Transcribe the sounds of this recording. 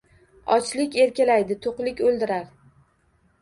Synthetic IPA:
ɒt͡ʃlɪkʲe̞ɾkʲalajd̪ɪt̪ʰoqlɪkʲolˠd̪ɪɾaɾ

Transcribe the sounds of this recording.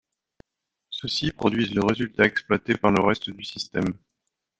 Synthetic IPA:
səsipχɔd̪ɥizləʁezylt̪aɛksplwat̪epaʁləʁɛst̪d̪ysist̪ɛm

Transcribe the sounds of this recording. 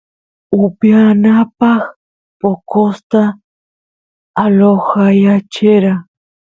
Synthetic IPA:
ʊpjanapaχ | pokost̪a | loxajat͡ʃeɾa

